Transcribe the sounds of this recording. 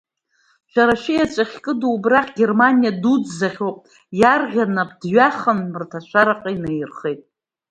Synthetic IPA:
ʃʷᶣaɾaʃɪjat͡ʃʷʼaχʲkʼɨduːbraχʲɡʲe̞rmanijadud͡zzaχʲopʼ | jarʁʲanapʰʼdɥaχənmɨrtʰaʃʷʰaɾaqʼainejrχejtʼ

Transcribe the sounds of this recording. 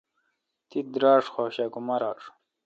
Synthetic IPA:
t̪id̪ɾɑːʂxoːɕakumɐɾɑːʂ

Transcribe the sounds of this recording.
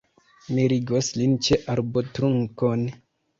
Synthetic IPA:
miɾiɡoslint͡ʃeʔaɾbotɾuŋkon

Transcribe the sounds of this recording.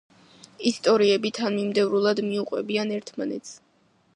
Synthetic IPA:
ist̪ʼɔɾiɛbit̪ʰanmimd̪ɛvɾulˠad̪miuqʼwɛbianɛɾt̪ʰmanɛt̪sʰ

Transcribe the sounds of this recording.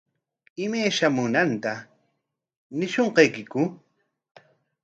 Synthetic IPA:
ɪmajʃamʊnant̪a | nɪʃoɴqɑjkɪkʊ

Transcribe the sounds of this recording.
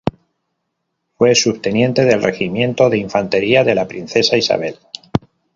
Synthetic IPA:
fwe̞sust̪e̞njẽ̞nt̪e̞ðe̞lrʔe̞ximjẽ̞nt̪o̞ðeiɱfant̪e̞ɾiaðe̞lapɾin̟θe̞saisa̰β̞e̞l

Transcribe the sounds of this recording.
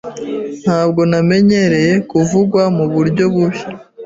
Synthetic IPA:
n̥haːbɡo̞name̞ɲe̞ɾe̞je̞kuvuɡwamuβuɾɟo̞βuβi

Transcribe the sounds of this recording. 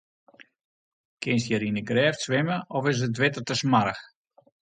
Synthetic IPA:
kʰɪnsjəɾinəɡrɛːftsʋɪməɔfɪs̬ət̬ʋɪtərtəsmaɾəx

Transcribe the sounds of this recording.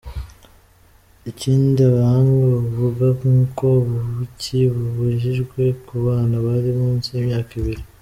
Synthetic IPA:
iciːndiaβaaŋɡaβuɡakuːko̞βuuciβuβuʒiʒɡwe̞kuβaːnaβaɾiβuːnsiemɲaːkiβiɾi

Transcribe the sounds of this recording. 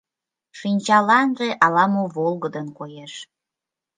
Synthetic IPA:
ʃinʲt͡ɕɑlɑnʒeʔɑlɑmoβolˠɣəd̪ənkojeʃ

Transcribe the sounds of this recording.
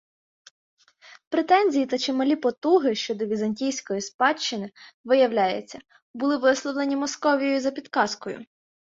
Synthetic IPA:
pɾet̪ɛnʲzʲijit̪ɐt͡ʃemɐlʲipɔt̪uɦɪʃt͡ʃɔd̪ɔʋʲizɐnʲtʲijsʲkɔjispɑt͡ʃːɪnɪʋɪjɐwlʲajet͡sʲːɐ | bʊlˠɪʋɪslˠɔʋlˠenʲimɔskɔʋʲijɔjʊzɐpʲid̪kɑskɔjʊ̰

